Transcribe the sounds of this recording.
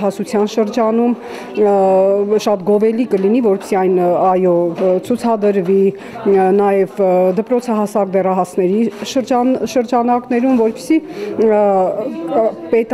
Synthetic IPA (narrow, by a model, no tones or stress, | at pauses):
ɑsut͡sʰjɑnʃəɾd͡ʒɑnum | ʃɑt̪ɡɔvɛlikəlinivɔɾpə̥siɑjnɑjɔt͡sʰut͡sʰɑd̪əɾvi | nɑjɛvd̪əpɾɔt͡sʰɑɦɑsɑk̚b̪ɛrɑɦɑsnɛɾiʃəɾd͡ʒʃəɾd͡ʒɑnɑknɛɾumvɔɾpə̥si | pɛt̪